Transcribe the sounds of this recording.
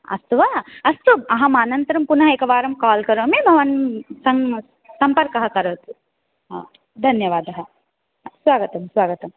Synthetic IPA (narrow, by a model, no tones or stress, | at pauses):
ɐ̰st̪uʋɐɐst̪uɐɦɐmaːnɐnt̪ɐɾɐmpunɐɦɐekɐʋaːɾɐmkaːlkɐɾɐʋɐmebʱɐʋɐnsɐŋ | sɐmpɐɾkɐɦɐkɐɾɐʋɐt̪u | d̪ʱɐnjɐʋaːd̪ɐɦɐ | sʋaːɡɐt̪ɐmsʋaːɡɐt̪ɐm